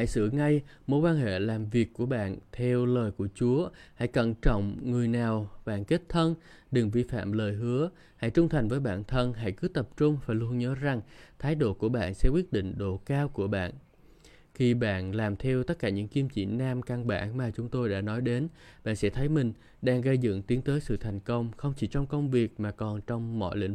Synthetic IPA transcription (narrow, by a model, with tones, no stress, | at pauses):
ha̰˧˨jsɨ̰˧˩əŋa˧jmo˨˦jkwaː˧nhḛ˧˨laː˨˩mvi˨˩əkːu˧˩əɓa̰ː˧˨nt̪ʰɛ˧wləː˨˩jku˧˩ət͡ɕu˨˦əha̰˧˥˨jkə˧˩nt͡ɕɔ̰˧˨wŋ͡mŋɨ˨˩əjnaː˨˩wɓa̰ː˧˨nke˦˥t̚t̪ʰə˧n | ɗɨ˨˩ŋvi˧˨fa̰ː˧˨mləː˨˩jɦɨ˨˦ə | ha̰˧˩jt͡ɕʊ˧ŋ͡mt̪ʰa˨˩jŋ̟vəː˨˦jɓa̰ː˧˨nt̪ʰə˧nɦa̰˧˩jkɨ˨˦t̪ə˨˩p̚t͡ɕʊ˧ŋ͡mfaː˨˩jlu˧ənɲəː˨˦za˨˩ŋt̪ʰaː˨˦jɗo̰˧˨ku˧˩əɓa̰ː˧˨nsɛ̰˧˥kwi˦˥ət̚ɗḭ˧˨ŋ̟ɗo˧˩kaː˧wku˧˩əɓa̰ː˧˨n | xi˧ɓa̰ː˧˨nlaː˨˩mt̪ʰɛ˧wt̪ə˦˥t̚kaː˧˩ɲɨ̰˧˥ŋki˧mt͡ɕḭ˧˨naː˧mka˧nɓa̰ː˧˨nmaː˨˩t͡ɕʊ˨˦ŋ͡mt̪o˧jɗa̰ː˧˥nɔ˨˦jɗe˨˦nɓa̰ː˧˨nsɛ̰˧˥t̪ʰə˨˦jmï˨˩ŋ̟ | ɗaː˧ŋɣə˧jzɨ̰˧˨ŋt̪i˨˦əŋt̪əː˨˦jsɨ̰˧˨t̪ʰa˨˩jŋ̟kə˧wŋ͡mxə˧wŋ͡mt͡ɕi˧˩t͡ɕɔ˧wŋ͡mkə˧wŋ͡mvi˨˩ək̚maː˨˩kɔ˨˩nt͡ɕɔ˧wŋ͡mmɔ̰˧˨jlḭ˧˥ŋ